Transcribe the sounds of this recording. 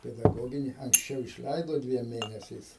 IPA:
pʲɛdɐˈɡoːɡʲɪnʲɪ ɐŋksʲˈt͡ʃʲɛʊ ɪʃʲˈlʲɛɪdoː ˈdʲʋʲiɛm ˈmʲeːnʲɛsʲɛɪs

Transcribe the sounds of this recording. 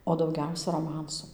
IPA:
oː dɐʊˈɡʲɛʊsʲɛ roːˈmɐnsʊ

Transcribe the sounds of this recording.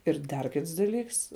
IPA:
ɪr ˈdɐr ˈkʲɪts dɐˈlʲiːks

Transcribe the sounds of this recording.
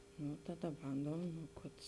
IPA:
nʊ ˈtɑːˌdɐ ˈbɐndoːm nʊ ˈkɐt

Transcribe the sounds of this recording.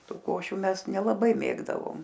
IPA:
ˈtuː ˈkoːʃʲʊ ˈmʲɛs nʲɛlˠɐˈbɐɪ ˈmʲeːɡdɐʋoːm

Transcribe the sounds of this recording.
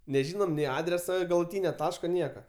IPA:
nʲɛˈʒʲiːnoːm nʲɛɪ ˈɑːdʲrʲɛsoː ɡɐlˠʊˈtʲiːnʲoː ˈtɑːʃkoː ˈnʲiɛkɐ

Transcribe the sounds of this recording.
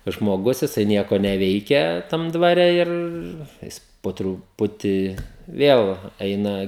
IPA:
tɐs ʒmoːˈɡʊs jɪˈsɐɪ ˈnʲiɛkoː nʲɛˈʋʲɛɪkʲɛ tɐm dʋɐˈrʲɛ ˈɪr ˈjɪs poː trʊˈpʊtʲɪ ˈʋʲiɛlˠ ˈɛɪnɐ

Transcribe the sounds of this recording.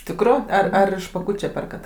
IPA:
ˈtʲɪkrʊ ɐr ˈɐr ɪʃ pɐˈkuːt͡ʃʲɛ ˈpʲɛrkɐt

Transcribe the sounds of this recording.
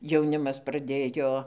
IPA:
jɛʊˈnʲɪmɐs prɐˈdʲeːjoː

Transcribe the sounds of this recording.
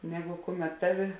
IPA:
ˈnʲæːˌɡʊ ˈkʊˌmʲɛt ˈtɑːˌʋʲɪ

